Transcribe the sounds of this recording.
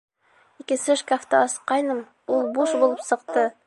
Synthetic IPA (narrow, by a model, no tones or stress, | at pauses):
ikɘ̆sɘʃkaft̪ɑɑsqɑjnɤm | ulˠbuʃbulˠɤpsɤ̆qt̪ɤ